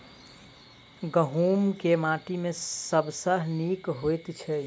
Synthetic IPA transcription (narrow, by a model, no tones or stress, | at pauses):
ɡəɦumkemaʈimesəbʱsəɦnikɦojt̪t͡ʃʰɛ